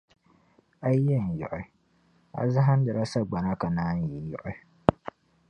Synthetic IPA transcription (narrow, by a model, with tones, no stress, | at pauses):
a˦jɛ˦˨n˨jɔ̰˨ʔɔ˨˦ | a̰˨za˦ɦa˦n˦da˨ɾa˦sa˦ɡ͡ba˨na˦ka˨naː˦n˦ji˨jɔ̰˦˨ʔɔ˦